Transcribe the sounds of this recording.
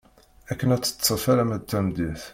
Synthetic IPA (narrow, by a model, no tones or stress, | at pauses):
ækːənæt͡sːə̥t͡sːt͡sːəfæɾæmæt̪ːæmd̪iθ